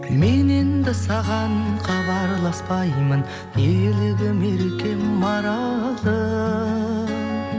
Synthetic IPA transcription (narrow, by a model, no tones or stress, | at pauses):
me̞ne̞nd̪ɪsɑʁɑnqʰɑβɑɾlˠɑspɑjmən | eleɡ̪ʲɪmeɾekʲe̞mmɑɾɑlˠlˠə